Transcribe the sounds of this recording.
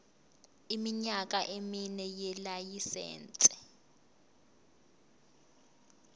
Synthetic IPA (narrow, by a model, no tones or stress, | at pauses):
imiɲak̬ʼaʔeminɛjɛlajisɛ̰ːnt͡sʼɛ̥